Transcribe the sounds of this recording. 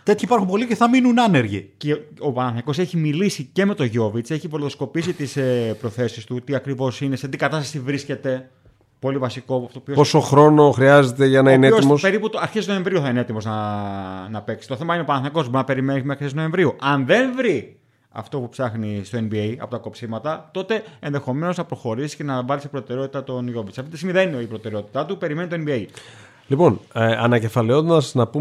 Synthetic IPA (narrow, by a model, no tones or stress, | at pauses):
t̪e̞t̪çiipɐɾxumpo̞liceθɐminunɐneɾʝḭceopɐnɐθɐko̞se̞çimilisice̞me̞t̪o̞ʝo̞vit͡se̞çivolðosko̞pisit̪isepɾo̞θe̞sist̪ut̪iɐkɾivo̞sine̞set̪ikɐt̪ɐst̪ɐsivɾisce̞t̪e̞ | po̞livɐsiko̞ft̪opioposoxɾono̞xɾiɐze̞t̪e̞ʝɐnɐineeosmose̞ɾiput̪ɐɾçessnoeɱvɾiuθɐinee̞t̪imo̞znɐ | nɐpe̞ksi̥t̪oθe̞mɐinepɐnθɐko̞sbɾinɐpe̞ɾimenimexisisnoẽ̞ɱvɾiuɐnðe̞nvɾi | ɐ̰ft̪o̞pupsɐxnist̪o̞enbiejɐ̰po̞t̪ɐko̞psimɐt̪ɐt̪o̞t̪e̞enðe̞xo̞me̞no̞znɐpɾo̞xo̞ɾisi̥sce̞nɐvɐlisipɾo̞t̪eɾeo̞t̪i̥t̪ɐt̪o̞nʝo̞visɐft̪it̪isimiðenineipɾo̞t̪e̞ɾeo̞t̪i̥t̪ɐt̪upe̞ɾime̞nit̪oenbiei | lipo̞nɐnɐce̞fɐleo̞nd̪ɐsnɐpu